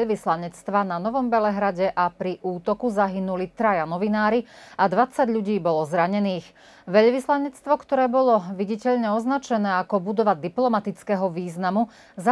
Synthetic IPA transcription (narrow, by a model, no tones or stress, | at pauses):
ʋislaɲɛt͡st̪ʋananɔʋɔmbɛlɛɦɾaɟɛʔapɾiʔuːt̪ɔkuzaɦinulit̪ɾajanɔʋinaːɾiad̪ʋat͡saɟʎuɟiːbɔlɔzɾaɲɛniːx | ʋɛʎʋislaɲɛt͡st̪ʋɔkt̪ɔɾɛːbɔlɔʋiɟicɛʎɲɛɔznat͡ʃɛnɛːakɔbud̪ɔʋad̪iplɔmat̪it͡skɛɦɔʋiːznamu | za